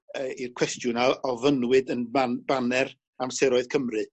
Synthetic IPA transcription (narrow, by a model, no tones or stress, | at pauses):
əirkʰw̥ɛstjʊnalˠɔvənwɨdənabanɛr | amsɛɾɔɨðkʰəmrɨ